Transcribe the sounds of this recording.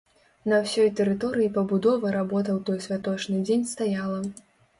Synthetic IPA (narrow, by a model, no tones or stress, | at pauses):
nɐwsʲɔjt̪ɛɾɨt̪ɔɾɨjipɐbud̪ɔvɐɾabɔt̪̬ɐwt̪ɔjsʲvʲat̪ɔt͡ʂnɨd͡zʲenʲst̪ajalˠɐ